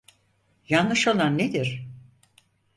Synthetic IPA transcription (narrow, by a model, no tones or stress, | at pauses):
janlɯʃo̞lˠanːed̪iɾ̥